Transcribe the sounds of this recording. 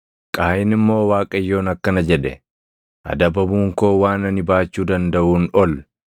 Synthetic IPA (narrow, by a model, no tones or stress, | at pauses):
kʼaːjɪnɪmːo̞ːwaːkʼɐjːo̞ːnɐkːɐnɐd͡ʒɛᶑɛ̰ | ʔɐ̰d̪ɐbɐbuːŋko̞ːwaːnɐnɪbaːt͡ʃːuːd̪ɐnd̪ɐʔuːnɔl